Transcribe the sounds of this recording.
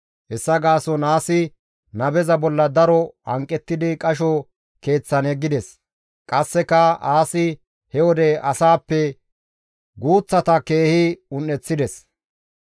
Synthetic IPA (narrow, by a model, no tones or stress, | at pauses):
ɛsːɐɡaːsɔnaːsɪ | nɐbɛzɐbɔlːɐd̪ɐɾɔɐŋkʼːɛt̪ːɪd̪ɪkʼɐʃɔ | ke̞ːt͡sːɐnɛɡːɪd̪ɛs | kʼɐsːɛkɐaːsɪ | hɛwɔd̪ɛɐsaːpːɛ | ɡuːt͡sːɐt̪ɐke̞ːhɪʊnːɛt͡sːɪd̪ɛs